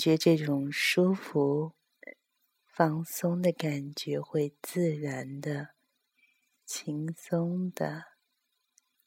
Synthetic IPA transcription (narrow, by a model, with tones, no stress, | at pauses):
t͡ɕɥɛ˧˥ʈ͡ʂɤ˥˩ʈ͡ʂʊ˨˩ŋʂu˥fu˧˥ | fɑ˥˩ŋsʊ˥ŋd̪ə˨ka˨˩nt͡ɕɥɛ˧˥xwe˥˧ɪt͡sɹ̩˥˩ɻa˧˥nd̪ə˧ | t͡ɕʰi˧˥ŋsʊ˥ŋd̪̥ə˨